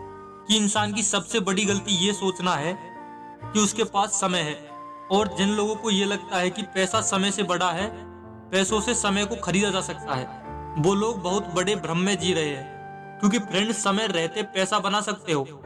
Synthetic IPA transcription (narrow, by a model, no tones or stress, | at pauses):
kiɪnsaːnk̬isɐbsebɐɽiɡɐlt̪ijesoːt͡ʃnaɦɛ | kiʊskepaːsːɐməjɦɛː | ɔːɾd͡ʒɪnloːɡõkojelɐɡ̚t̪aɦɛkipɛːsasɐməjsebɐɽaɦɛ | pɛːsõsesɐməjkoxʰɐɾiːd̪ad͡ʒaːsɐk̚t̪aɦɛ̰ː | ʋoːloːɡ̚bɐɦʊt̪bɐɽebʱɾəmːẽd͡ʒiːɾɐɦeɦɛ̃ː | kjõːkipʰɾɛ̃ɳɖsɐməjɾɛɦt̪epɛːsabɐnasɐk̚t̪eɦoː